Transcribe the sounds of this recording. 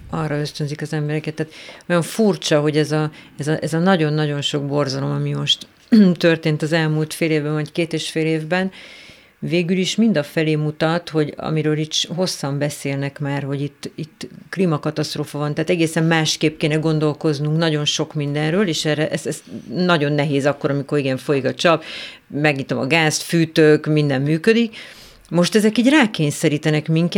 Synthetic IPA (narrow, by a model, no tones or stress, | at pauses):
ɒrːɒø̞st̪ønzikɒzɛmbɛɾɛkɛt̪ːaːt̪ojoɱfurt͡ʃɒɦo̞ɟɛzɒɛzɒʔɛzɒnɒɟo̞nːɒɟo̞nʃo̞ɡ̚bo̞rzɒlo̞mɒmimo̞ʃt̪ | t̪ø̞rt̪eːnt̪ɒzɛlmult̪feːleːvbɛɱvɒckeːt̪eːʃfeːleːvbɛn | veːɡyliʃmind̪ɒfɛleːmut̪ɒt̪ho̞ɟɒ̰miɾøːlit̪ʃɦo̞sːɒmbɛseːlnɛkmaːrho̞ɟit̪ːit̪ːklimɒkɒt̪ɒst̪roːfɒvɒnt̪aːt̪ɛɡeːsɛmmaːʃkeːp̚keːnɛɡo̞nd̪o̞lko̞znuŋknɒɟo̞nʃo̞kmind̪ɛnrøːleːʃɛrɛʔɛsɛst̪nɒɟo̞nːɛɦeːzɒkːo̞ɾɒmiko̞ɾiɡɛɱfo̞jikɒt͡ʃɒp | mɛɡɲit̪o̞̰mɒ̰ɡaːst̪fyːt̪økmind̪ɛmːyːkød̪ik | mo̞ʃt̪ɛzɛkiːɟraːkeːɲsɛɾiːt̪ɛnɛkmiŋk